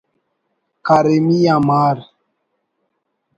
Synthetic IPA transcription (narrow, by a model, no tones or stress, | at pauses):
kaɾemijamaɾ